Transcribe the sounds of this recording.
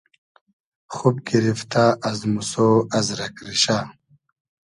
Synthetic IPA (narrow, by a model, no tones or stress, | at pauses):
χub̚ɡiɾift̪ʰaɐzmusoːɐzɾɐkɾiɕaː